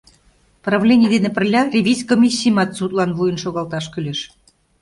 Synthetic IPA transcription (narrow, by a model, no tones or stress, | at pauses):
prɑvlʲenʲiəd̪enĕpə̆rlʲɑrʲevʲizʲkomʲisʲːijmɑt̪sut̪lɑnβujə̆nʃoɣɑlt̪ɑʃkylʲeʃ